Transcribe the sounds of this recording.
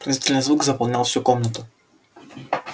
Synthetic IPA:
pɾɐzit̪ɛlʲɛnzvuɡzɐpɐlˠnʲalˠʃɛokɔmnət̪ə

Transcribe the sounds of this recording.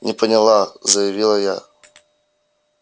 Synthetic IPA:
nʲɪpʰənʲɪlˠazɐjɐvʲilˠɐja̰

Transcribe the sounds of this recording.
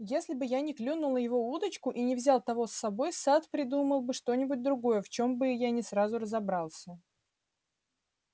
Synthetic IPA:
jesʲlʲɪbɨjanʲɪklʲunʊlˠəjɪvo̞ud̪ət͡ɕkʊʔinʲɪvzʲalˠt̪ɐvo̞sːɐbo̞jsat̪pɾʲɪd̪uməlˠbɨʂt̪o̞nʲɪbʊt̚ʲd̪ɾʊɡo̞jəft͡ɕo̞mbɨjanʲɪsɾazʊrəzɐbɾalˠsʲə

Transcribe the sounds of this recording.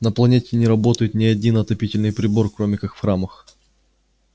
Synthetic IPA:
nəplˠɐnʲetʲɪnʲɪɾɐbo̞t̪əjɪt̪nʲɪɐdʲinɐt̪ɐpʲitʲɪlʲnɨjpɾʲɪbo̞rkɾo̞mʲɪkakfxɾaməx

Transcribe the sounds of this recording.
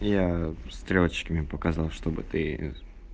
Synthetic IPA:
jast̪ɾʲoət͡ɕkəmʲɪpəkɐzɑlˠʂt̪o̞bɨ̰t̪ɨ

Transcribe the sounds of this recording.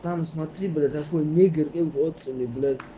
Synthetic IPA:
t̪amsmat̪ʰiblɛt̪ʰakʰɔnɛɡɛɾkʼɛmkɔɔsʼiniblɛt̪

